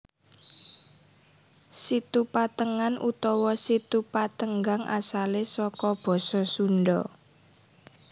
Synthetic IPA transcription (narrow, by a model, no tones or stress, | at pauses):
sit̪upat̪əŋanʔut̪ɔwɔsit̪upat̪əŋɡaŋʔa̰salesɔkɔb̥ɔ̤sɔsunɖɔ